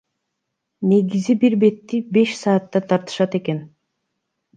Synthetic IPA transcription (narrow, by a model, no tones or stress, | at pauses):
ne̞ɡizibiɾbe̞t̪ːibe̞ʃsɑːt̪ːɑt̪ʰɑɾt̪ɯ̥ʃɑt̪e̞ke̞n